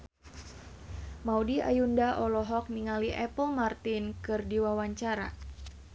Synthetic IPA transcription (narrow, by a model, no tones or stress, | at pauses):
maudia̰jundaʔɔlɔɦɔk̚niŋaliʔɛpəlmart̪ɪnkɨrdiwawaɲt͡ʃaɾa̰